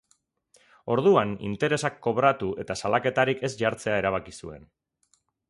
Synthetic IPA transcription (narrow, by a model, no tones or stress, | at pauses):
o̞ɾðuanḭnt̪e̞ɾe̞sakːo̞βɾat̪ue̞t̪asalake̞t̪aɾike̞sʝaɾt͡se̞aeɾaβ̞akisue̞̰n